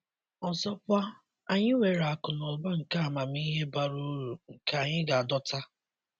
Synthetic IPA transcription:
ɔ˨sɔ˦pʊ˦a˦ | a˨ɲɪ˦ŋʷe˨ɾa˨kʊ˨lɔ˨ba˦ŋ̩˨ka˦a˨ma˨m˦i˦ɦe˦ba˦ɾu˦ɾu˨ŋ̩˨ka˨a˨ɲɪ˦ɡa˨a˨dɔ˦ta˦

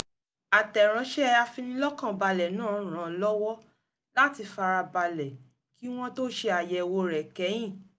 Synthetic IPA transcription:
a˨tɛ˨ɾ̃ã˨˦ʃɛ˦a˧fi˧nĩ˧lɔ˦kã˦˨ba˧lɛ˨nãː˦˨ɾ̃ã˨lɔ˦wɔ˦ | la˦ti˧fa˧ɾa˧ba˧lɛ˨ | ki˦w̃ɔ̃˦to˦ʃe˧a˨jɛ˧˨˧wo˧ɾɛ˨kɛ˨˦j̃ĩ˦˨

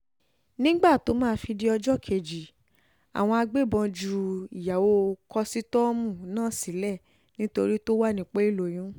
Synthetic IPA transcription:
nĩ˦ɡ͡ba˦˨to˨˦mãː˦˧˦fi˧di˦ɔ˧d͡ʒɔ˦˨kʰe˨d͡ʒi˨ | a̰˨w̃ɔ̃˧a˧ɡ͡be˦˨bɔ̃˧d͡ʒu˨i˨ja˨wo˧kɔ˦si˦tɔ˦mũ˦˨nãː˦˨si˨˦lɛ˦˨ | nĩ˦to˧ɾi˦to˦wa˦˨nĩ˨k͡pe˦i˦˨lo˨j̃ũ˨˦

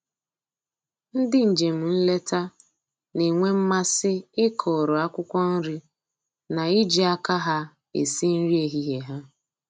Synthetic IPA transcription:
n̩˦dɪ˦n̩˨d͡ʒe˨m̩˨n̩˦le˦ta˦ | ne˨ŋʷe˦m̩˦ma˦sɪ˦ɪ˦kʰɔ˨ɾɔ˨a˦kʷʊ˦kʷɔ˦n̩˦ɾi˦ | na˨i˦d͡ʒi˦a˦ka˦ɦa˦ | ḛ˨si˦n̩˦ɾi˦e˦ɦi˦ɦe˨ɦa˦

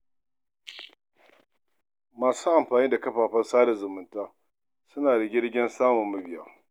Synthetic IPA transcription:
maː˨suː˦ʔa˨mɸaː˨niː˦da˨kɐ˦ɸaː˨ɸɐ˦saː˦da˨zʊ˨mʊ˨ntaː˦ | sʊ˦naː˨da˨ɡʲɪ˦ɽɡʲɪ˦nsaː˦mʊ˨mːɐ˦bɪ˨jaː˦

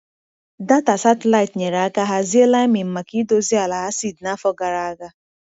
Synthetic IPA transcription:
da˦ta˨sa˦tla˦ɪ˨tɲe˨ɾa˦ka˦ɦa˦zi˦e˦la˦i˦mi˨m̩˨ma˨ki˦do˦zi˦a˨la˨ɦa˦si˦˨dna˦fɔ˦ɡa˨ɾa˨˦ɡa˦

